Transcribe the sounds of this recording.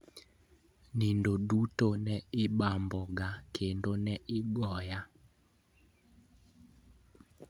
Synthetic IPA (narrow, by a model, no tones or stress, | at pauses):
nindodutonɛɪbambɔɡakʰendonɛʔɪɡɔja